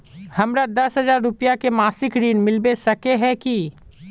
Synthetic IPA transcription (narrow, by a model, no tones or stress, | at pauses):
hɐmɾad̪ɐsɦɐzaːɾːʊpijakemaːsɪkɾiːnmɪlbesɐkeɦɛ̃ki